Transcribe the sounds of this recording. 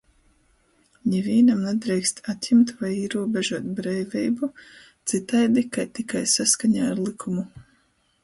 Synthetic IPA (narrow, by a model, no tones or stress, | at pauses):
ɲɛvʲiːnamnad̪ɾɛjkst̪at̪ʲjɛmt̪vajiɛɾuɔbɛʒuɔt̪̚bɾɛjvʲɛjbu | t̪sit̪ajd̪ikajt̪ikajsaskaɲaːɾlˠikʰumu